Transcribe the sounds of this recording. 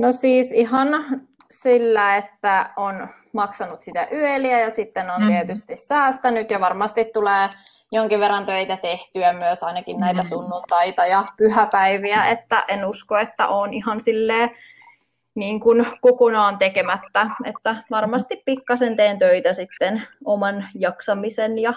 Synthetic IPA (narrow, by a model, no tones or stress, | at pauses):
nosiːsihɑn | silːæet̪ːæon | mɑksɑnut̪sit̪æʔyeliæjɑsit̪ːenont̪iet̪yst̪issæːst̪ænyt̪jɑʋɑrmɑst̪it̪tuleː | joŋkiʋʋerːɑnt̪øit̪æt̪eht̪yæmyøsɑinɑkinnæit̪æsunːunt̪ɑit̪ɑjɑpyhæpæiʋiæet̪ːæ̰ʔenuskoet̪ːæ̰ʔoːnihɑnsilːeː | niːŋkunkokonɑːnt̪ekemæt̪ːæḛt̪ːæʋɑrmɑst̪ippikːɑsent̪eːnt̪øit̪æsit̪ːenomɑnjɑksɑmisenjɑ